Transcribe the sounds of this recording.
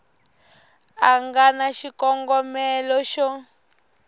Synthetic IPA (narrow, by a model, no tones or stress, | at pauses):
aŋɡanaʃikɔŋɡɔmɛlɔʃɔ